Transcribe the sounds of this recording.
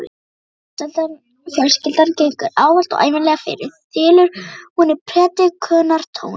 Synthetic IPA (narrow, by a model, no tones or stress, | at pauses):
ɛt̪an | fjɛlscɪlt̪ancejŋkʏɾaːwal̥t̪ɔ̰ɣʔa̰ːjvɪnlɛːɣafɪ̰ːjɾɪðt̪ɪːlʏɾ̥hunɪɾpʰɾɛːt̪ɪkʰœːnaɾ̥t̪ʰo̰ːwn